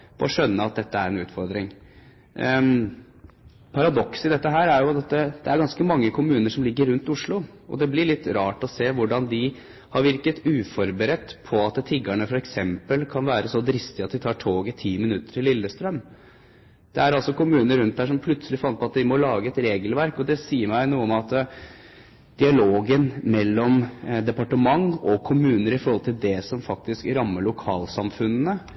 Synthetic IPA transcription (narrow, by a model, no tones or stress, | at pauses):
pʰɔɔʂœnːəɑt̪̚d̪ɛt̪ːəæ̰ɾɛnʉːt̪fɔɾd̪ɾɪŋ | pʰɑɾɑd̪ɔksɪd̪ɛt̪ːəɦæːɾæɾjʊd̪ɛt̪ːəd̪̥ɛæɾɡɑnskəmɑŋːəkʰʊmʉːnəʂɔmlɪɡːəɾʉnt̪ʊʂɭʊ | ʔɔ̰d̪ɛblɪɭɪt̪ːɾɑːʈɔseːʋʊɖɑnd̪ɪ | hɑɾʋɪɾkət̪ʉːfɔɾbəɾɛt̪ːpʰɔɑt̪t̪ʰɪɡæɳəfɔɾɛksɛmpəlkʰɑnʋæːɾəsɔd̪ɾɪst̪ɪɑt̪̚d̪ɪt̪ʰɑːʈʰoːɡɪt̪ʰiːmɪnʉt̪ːə̥ʈʰɪlːɪlːəst̪ɾœm | d̪̥ɛæɾɑlsɔkʊmʉːnəɾʉnt̪̚d̪æːʂɔmpʰlʉt̪səlɪfɑnt̪̚pʰɔɑt̪d̪ɪmɔlɑːɡəɛt̪ɾeːɡəlʋæɾkɔd̪ɛsiːəɾmæɪnuːəɔmɑt̪ | d̪̥ɪɑloːɡənmɛlːɔmd̪ɛpɑʈəmɑŋɔkʰʊmʉːnəɾɪfɔɾhɔlt̪ʰɪld̪ɛsɔmfɑk̚t̪ɪskɾɑmːəɭʊkʰɑːlsɑmfʉnnə